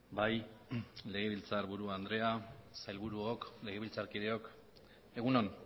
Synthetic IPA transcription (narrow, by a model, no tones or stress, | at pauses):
baj | le̞ɣ̞e̞βilt͡saɾβuɾuand̪ɾe̞asajlβuɾuokle̞ɣ̞e̞βilt͡saɾkiðe̞o̞k | e̞ɣunon